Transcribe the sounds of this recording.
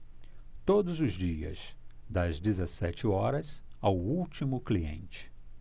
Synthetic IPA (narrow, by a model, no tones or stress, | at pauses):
t̪od̪ʊzʊzd͡ʒiɐ̰zd̪ɐzd͡ʒ̪ezɐsɛt͡ʃɪɔɾɐzawuwt͡ʃimʊkliḛ̃nt͡ʃɪ̥